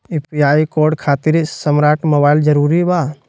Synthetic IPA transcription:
ipʰiaːikoːɾɖkʰaːt̪ɪɾsəmɾaːʈmobaːɪld͡ʒɐɾuːɾiba

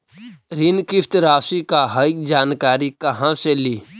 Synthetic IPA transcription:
ɾinkɪft̪ɾaːsikaɦaɪk̚d͡ʒaːnkaːɾikɐɦãseliː

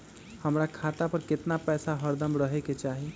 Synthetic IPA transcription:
həmɾakʰat̪apəɾket̪napɛsaɦəɾd̪əmɾəɦɛket͡ʃaɦi

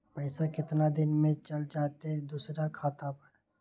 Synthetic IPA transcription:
pɐɪsakɪt̪nad̪ɪnmẽt͡ʃɐld͡ʒaːt̪eɦɛ̃d̪uːsɾakʰaːt̪apɐɾ

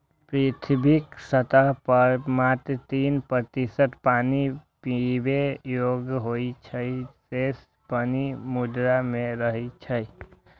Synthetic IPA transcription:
pɾit̪ʰbiksət̪aɦpəmat̪t̪iːnpət̪isəʈ̪paːnipibejoɡɦoit͡ʃʰəises | pənimud̪ɾamẽɾəɦit͡ʃʰəj

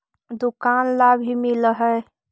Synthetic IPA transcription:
d̪ʊkaːnlabʱimɪləɦə

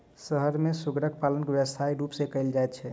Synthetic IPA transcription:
səɦəɾmesuɡɾək̚palənkebjəsaiɾupsẽkəjld͡ʒajt̪̚t͡ʃʰɛ

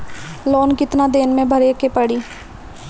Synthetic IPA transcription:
lɔːnkɪt̪nad̪eːnmẽbʱəɾekepəɽiː

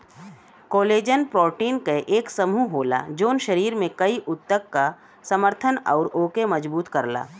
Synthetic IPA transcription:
koːleːd͡ʒənpɾɔːʈiːnkeʔeːksɐmuɦoːla̰d͡ʒoːnʃɐɾiːɾmẽkɐiʔʊt̪ːəkːa | sɐməɾt̪ʰənɔ̰ːɾoːkemɐd͡ʒbuːt̪kɐɾla̰ː

